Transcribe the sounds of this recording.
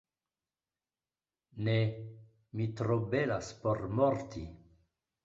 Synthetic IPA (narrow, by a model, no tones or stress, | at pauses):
ne | mitɾobelaspoɾmoɾt̪ʰḭ